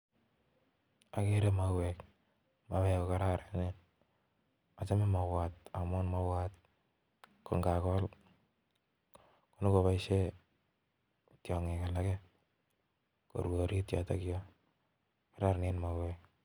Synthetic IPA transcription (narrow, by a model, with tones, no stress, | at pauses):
a˨keɾemawɛk | maβɛ˨koka˦ɾa˦ɾenen | a˨t͡ʃa˦mɪ˦ma˨wat̚a˨mo˦nma˦wat̚ | ko˨ŋɡa˨kɔ˦l | ku˦nʊ˦ko˨pa˨iʃe˦ | tjɔ˨ŋe˨ka˨la˦kɛ | ko̰˨ɾwo˨ɾi˦tjɔ̰˨ta̰ki˦jɔ | kaɾa˦ɾnenmawɛk̚